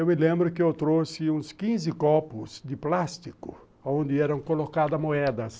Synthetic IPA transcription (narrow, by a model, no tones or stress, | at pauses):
ewmɪlẽmbɾʊkɪewt̪ɾosɪũskĩzɪkɔpʊsd̪ɪplast̪ikʊ̰ | aõnd̪ɪɛɾɐ̃w̃kolokad̪ɐmoɛd̪ɐs